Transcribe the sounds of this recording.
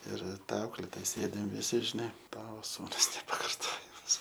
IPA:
ˈɪr ˈtɐ ˈɐʊklʲeːtoːjɛ ˈsʲeːdʲɪm ʋʲɪˈsʲɪ ɪr ˈʃʲnʲɛ ˈtɑːʋoː ˈsuːnʊs nʲɛpɐkɐrˈtoːjɛmɐs

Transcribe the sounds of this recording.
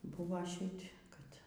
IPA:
ˈbʊʋoː ˈʃʲɪtʲ kɐt

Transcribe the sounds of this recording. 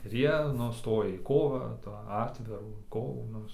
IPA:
ɪr ˈjiɛ ˈnʊ ˈstoːjɛ iː ˈkoːʋɑː tɑː ˈɑːtʲʋʲɪruː ˈkoːʋuː ˈnʊ

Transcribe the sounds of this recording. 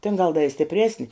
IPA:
tʲɪn ɡɐlˠ dɐ ɪ sʲtʲɪpʲˈrʲæːsʲnʲɪ

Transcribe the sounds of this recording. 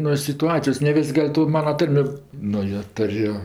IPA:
nuɔ sʲɪtʊˈɑːt͡sʲɪjoːs nʲɛ ˈʋʲɪsʲ ˈɡɐlʲ toː ˈmɑːnɐ ˈtɐrʲmʲɪ nʊ joː ˈtʊrʲʊ

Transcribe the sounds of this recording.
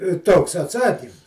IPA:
ɪ ˈtoːks ɐtˈsɑːkʲiːm

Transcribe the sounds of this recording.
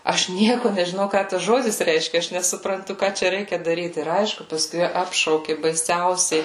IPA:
ˈɐʃ ˈnʲiɛkʊ nʲɛʒʲɪˈnɐʊ ˈkɑː tɐs ˈʒoːdʲɪs ˈrʲɛɪʃʲkʲɛ ˈɐʃ nʲɛsʊprɐnˈtʊ ˈkɑː t͡ʃʲɛ ˈrʲɛɪkʲɛ dɐˈrʲiːt ɪr ˈɐɪʃkʊ pɐˈskʊɪ ˈɑːpʃɐʊkʲɪ bɐɪˈsʲɛʊsʲɛɪ

